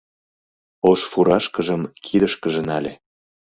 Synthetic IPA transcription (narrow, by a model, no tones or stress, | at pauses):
oʃfuɾɑʃkəʒəmkʰid̪əʃkəʒĕnɑlʲḛ